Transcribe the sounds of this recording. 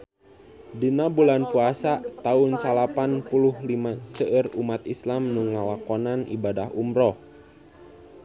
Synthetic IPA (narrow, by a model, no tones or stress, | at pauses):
dinabulanpuasat̪aʊnsalapanpuluhlimasəʔərumat̪islamnuŋawakɔnanḭbadaɦumɾɔ